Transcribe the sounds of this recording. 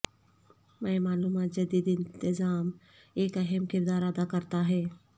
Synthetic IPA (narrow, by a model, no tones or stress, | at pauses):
mɛ̃ẽmaːluːmaːt̪̚d͡ʒɐd̪iːd̪ɪ̃nt̪ɪzaːm | eːkəɦəmkɪɾd̪aːɾəd̪akəɾt̪aɦɛː